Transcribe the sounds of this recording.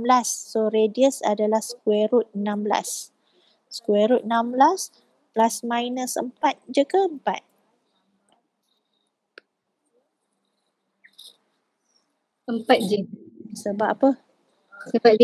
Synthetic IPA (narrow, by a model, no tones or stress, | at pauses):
blasːoɾediəsa̰dalahsə̥kwɛɾut̪̚nãmbla̰s | skwɛɾut̪̚namblas | plasmãjnəsə̰mpat̪̚d͡ʒəkəəmpa̰t̪̚ | əmpat̪̚d͡ʒəsəbaʔapə | səpa